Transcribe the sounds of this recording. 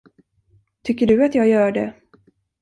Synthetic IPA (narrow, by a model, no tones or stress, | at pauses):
t̪ʰʏkːəɖɵat̪jɑːɡjœːɖɛ̰